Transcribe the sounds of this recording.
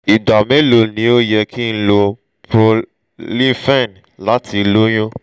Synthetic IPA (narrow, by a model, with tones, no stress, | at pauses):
i˨da˨mẽ˦lo˨nĩ˨˦o˦jɛ˧kʰĩ˦n̩˦lo˧ | pɾo˧ | lĩ˦fɛ̃˦˨n | la˨˦tʰi˧˦lo˦j̃õ˦